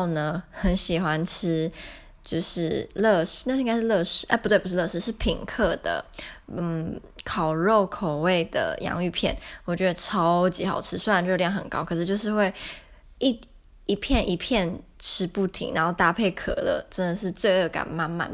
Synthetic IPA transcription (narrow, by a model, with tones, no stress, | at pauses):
nə˨xə˧˥nɕi˨˩xwa˦nʈ͡ʂ̩ʰ˥ | t͡ɕjo˥˧ʊʂɻ̩˥˩lɤ˥˧˩ʂ̩˥na˥˧ʂŋɡa˥ʂɻlɤ˥˧ʂɻ̩˧˥ʔə˥˩pu˥t̪we˥˩pu˥ʂ̩˥˧lɤ˥˧ʂɻ̩˧˥ʂɻ̩˥˩pʰi˨˩ŋkʰɤ˥˩d̪ə̰˩˥˩ | kʰɑ˨˩ʊɻo˥˩ʊkʰo˨˩ʊwe˥˩ɪd̪ə̰˩jɑ̰˧˥ŋy˥˧pʰjɛ̰˥˩nwɔ˨˩t͡ɕɥɛ˧˥d̪ə˧ʈ͡ʂʰɑ˥ʊt͡ɕi˧˥xɑ˨˩ʊʈ͡ʂʰɻ̩˧˥swe˥ɻnt͡ɕo˥˧˥jɑ˥˩xə˨˩nkɑ̰˥ʊkʰɤ˨˩ʂɻ̩˥˧t͡ɕjo˥˧ʊʂɻ̩˥˧xwe˥˧ɪ | i˥˧˩ | i˧˥pʰjɛ˥˩nʔi˧pʰjɛ˥˩nʈ͡ʂʰɻ̩˥pu˥˩t̪ʰḭ˨˩ŋnʔa̰˧˦nxo˥˩ʊt̪a˥˧pʰe˥˩ɪkʰɤ̰˨˩lə̰˧˩ʈ͡ʂə˧˥nd̪ə˨ʂ̬ɻ̩˥˧t͡swe˥˧ɪɤ˥˩ka̰˨˩nma˥˧nma̰˥˩n˩